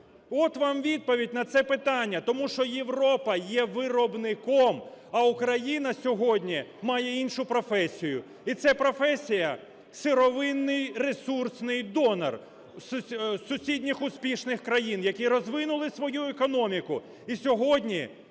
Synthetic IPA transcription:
ɔt̪ʋɑmʋʲid̪̚pɔʋʲidʲnɐt̪sɛpɪt̪ɑnʲːɐt̪ɔmuʃt͡ʃɔjeʋɾɔpɐjɛʋɪɾɔbnɪkɔmɐʊkɾɐjinɐsʲɔɦɔdʲnʲimɑjɛinʃʊpɾɔfɛsʲijʊ | it̪sɛpɾɔfɛsʲijɐ | sɪɾɔʋɪnːɪjresursnɪjd̪ɔnɐ̰r | ssʊsʲidʲnʲixʊspʲiʃnɪxkɾɐjinjɐkʲiɾɔzʋɪnʊlˠɪsʋɔjuɛkɔnɔmʲikʊ | isʲɔɦɔdʲnʲi

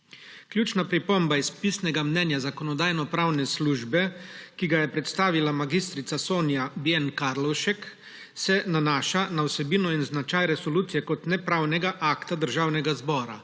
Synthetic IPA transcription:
kljuːt͡ʃnapɾipɔmbaispisnɛɡamnɛːnjazakɔnɔd̪aːjnɔpɾaːwnɛsluːʒbɛkiɡajɛpɾɛt̪st̪aːʋilamaɡist̪ɾit̪sasoːnjabjɛnkaɾlɔwʃɛk | sɛnanaːʃanawsɛbiːnɔinznat͡ʃaːjɾɛsɔluːt̪sijɛkɔt̪nɛpɾaːwnɛɡaʔaːkt̪ad̪əɾʒaːwnɛɡazbɔːɾa̰

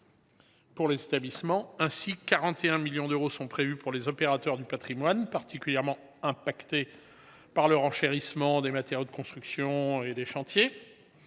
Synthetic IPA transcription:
puʁlezet̪ablismɑ̃ɛ̃sikaʁɑ̃t̪eɛ̃miljɔ̃d̪øʁosɔ̃pχevypuʁlezɔpeʁat̪œʁd̪ypat̪χimwanpaʁt̪ʰikʲyljɛʁmɑ̃ | ɛ̃pakt̪e | paʁlœʁɑ̃ʃeʁismɑ̃d̪emat̪eʁjod̪əkɔ̃st̪χyksjɔ̃ed̪eʃɑ̃t̪je

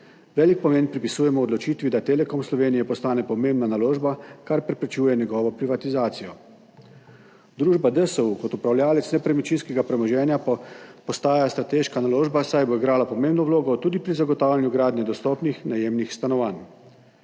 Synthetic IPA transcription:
ʋɛːlik̚pɔmeːnpɾipisuːjɛmɔɔd̪lɔt͡ʃiːt̪ʋid̪at̪eːlɛkɔmslɔʋeːnijɛpɔst̪aːnɛpɔmembnanaloːʒbakaɾpɾɛpɾɛt͡ʃuːjɛnjɛɡɔːʋɔpɾiʋat̪izaːt̪sijɔ | d̪ɾuːʒbad̪əsəukɔt̪upɾawlʲjaːlɛt̪snɛpɾɛmit͡ʃinskɛɡapɾɛmɔʒɛːnjapɔst̪aːjast̪ɾat̪eːʃkanaloːʒbasajboiɡɾaːlapɔmeːmbnɔwloːɡɔt̪uːd̪ipɾizaɡɔt̪aːwlʲjanjuɡɾaːd̪nɛd̪ɔst̪ɔːpnixnajeːmnixst̪anɔʋaːn

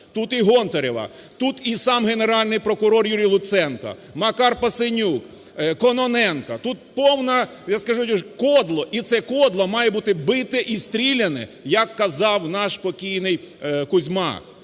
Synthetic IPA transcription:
t̪ut̪iɦɔnt̪ɔɾʲɪʋɐ̰t̪ut̪isɑmɦeneɾɑlʲnɪjpɾɔkʊɾɔrjuɾʲijlˠʊt̪sɛnkɐ̰ | mɐkɑrpɐsɪnʲuk | kɔnɔnɛnkɐt̪ut̪̚pɔwnɐ | jaskɐʒujʲuʃkɔd̪lˠɔʔit̪sɛkɔd̪lˠɐmɑjɛbut̪ɪbɪt̪ɛʔist̪ʲɾʲilʲɐnɛ̰jɐkːɐzɑwnɑʃpɔkʲijnɪj | kʊzʲmɑ̰

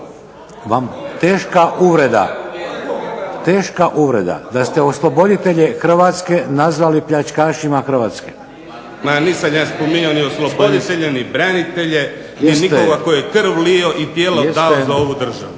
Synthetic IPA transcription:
ʋamt̪eːʃkaʔuʋɾe̞d̪a̰ | t̪eːʃkaʔuʋɾe̞̰d̪a̰d̪ast̪eo̞slˠobo̞d̪it̪e̞ʎe̞xr̩ʋat̪ske̞nazʋalipʎat͡ʃkaːʃimaxr̩ʋaːt̪ske̥ | maniːsamjaːspomiɲaonioslˠobod̪it̪eʎenibɾanit̪eʎe | nisnit̪oɡakojoekr̩ʋlijoʔit̪jeːlosd̪azaoʋud̪r̩ʒa̰ʋu

